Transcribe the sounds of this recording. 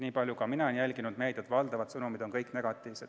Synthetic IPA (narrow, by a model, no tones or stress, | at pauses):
niːpɑlʲjukɑminɑenjælʲɡinud̪̥mejd̪̥et̪vɑld̪ɑvɑd̪̥sɤnumid̪o̞nkɤjkneɡ̥ɑt̪ːˑiːvsed̪